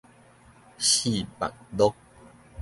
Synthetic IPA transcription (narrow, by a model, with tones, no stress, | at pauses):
ɕi˥˨pa̰˨k̚d̪ɔ˦k̚